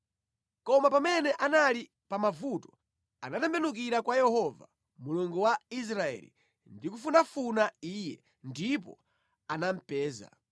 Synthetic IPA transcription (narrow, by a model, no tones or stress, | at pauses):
kɔmapamɛnɛʔanali | pamavutɔ̥ | anatɛmbɛnuk̬iɾakwajɛhɔva | muluŋɡuwais̬ɾaɛ̰lḭ | ndikufunafunaiːjɛ | ndipɔ̰ | anam̩pɛːza̰